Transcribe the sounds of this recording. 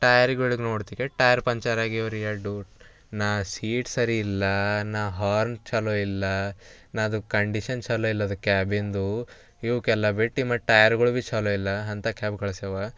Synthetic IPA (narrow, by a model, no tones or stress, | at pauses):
ʈɐjɐɾɡuɭiɡnoːɖt̪ikeʈɐjɐɾpɐɲt͡ʃaːɾaːɡiʋɐɾijɐɖu | naːsiːʈsɐɾiːlːɐnaːɦaːɾnt͡ʃaloilːɐ | naːd̪ukɐɳɖiʃɐnt͡ʃɐloilːɐd̪ukaːbind̪u | iʋukɛlːɐbiʈːimɐʈɐjɐɾɡɐɭubit͡ʃaloilːɐɐnt̪ɐkʰaːbkɐɭɐsɛʋa